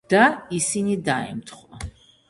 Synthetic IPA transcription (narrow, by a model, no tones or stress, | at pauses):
d̪̥aisinid̪aɛ̰mt̪ʰχwa